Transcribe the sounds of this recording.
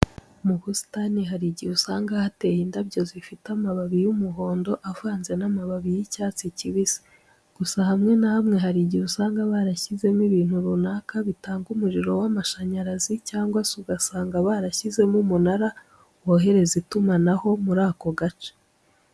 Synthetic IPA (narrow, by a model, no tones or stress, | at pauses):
muhusi̥taniɦaɾiɟiusaːŋɡahate̞jindabɟo̞zifitamaβaβijumuɦo̞ːndo̞ʔavaːnze̞namaβaβijicaːt͡siciβiz̥i̥ | ɡ̥usahamŋe̞nahamŋe̞ɦaɾiɟiβusaːŋɡaβaɾaçize̞miβiːn̥huɾunaːkaβitaːŋɡumuɾiɾo̞wamaʃaɲaɾazicaːŋɡwasuɡasaːŋɡaβaɾaçize̞mumunaɾa | woɦe̞ɾe̞zitumanaho̞muɾaːko̞ɡat͡ʃe̥